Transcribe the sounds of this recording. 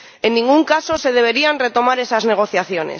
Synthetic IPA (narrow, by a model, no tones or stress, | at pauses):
e̞nːĩŋɡuŋkaso̞se̞ð̞e̞β̞e̞ɾianre̞t̪o̞maɾe̞sazne̞ɣ̞o̞θjaθjo̞nḛs